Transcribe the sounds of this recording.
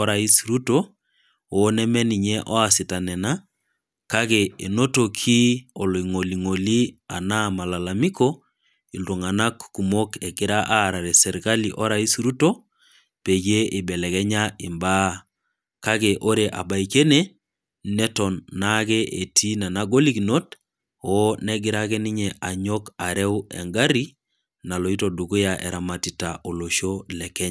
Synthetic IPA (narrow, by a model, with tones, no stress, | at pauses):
ɔ˦ɾa˨i˦si˨ɾu˦to˦ | o˦nɛ˦mɛ˦ni˨ɲɛ˦ʔɔ˦a˨sɪ˨ta˨nɛ˨na˦ | ka˦ɣe˨e˨no˦to˨kʰi˦ɔ˨lo˨i˨ŋo˨li˨ŋo˨li˦a˨na˦ma˨la˨la˨mi˦kɔ˦ | i˨lo˨ŋa˨na˦kːu˨mo˦kɛ˨kɪ˦ɾa˦ʔa˦ɾa˨ɾɛ˨sɛ˨ɾka˦li˨ʔɔ˦ɾai˦si˦ɾu˦to˦ | pe˨ɡe˦ʔi˨bɛ˨lɛ˨kɛ˦ɲai˨mba | ka˦kɛʔo˦ɾe˨ʔa̰˨ba˨ike˦ne | nɛ˦tɔ˨nːakɛʔe˨tʰi˦na˨naɡo˦li˦kino˦t | ɔnɛɡɪ˨ɾakɛ˦ni˦ɲɛa˨ɲɔka˨ɾɛ˦wɛ̰˨ŋɡaɾi | na˨lɔ˨i˦todu˨ku˦jaʔɛ̰˨ɾa˨ma˨titaʔo˨lo˨ʃo˦lɛ˨kɛ˦ɲa